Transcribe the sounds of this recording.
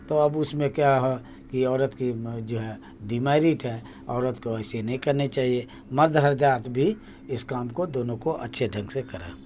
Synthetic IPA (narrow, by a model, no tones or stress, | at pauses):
t̪oɐbʊsmẽkjaɦɛ | kiɔːɾət̪kid͡ʒoːɦɛ | ɖimaːɪɾiːʈɦɛː | ɔːɾət̪koɛːsenɐɦĩkɐɾnet͡ʃaːɦie | mɐɾd̪ɦəɾd͡ʒaːt̪bʱi | ɪskaːmkod̪oːnõkoʔɐ̰tːʃʰeɖʱə̃ŋɡsekəɾḛː